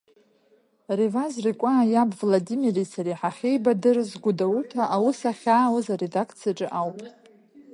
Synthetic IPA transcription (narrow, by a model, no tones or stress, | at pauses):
rivazrikʷʼaːjabvladimirisaɾiħaχʲejbadɨrzɡʷʊdawutʰaʔawʊsaχʲaːwazaɾedakʰt͡sʰijaʈ͡ʂʼɨʔawpʼ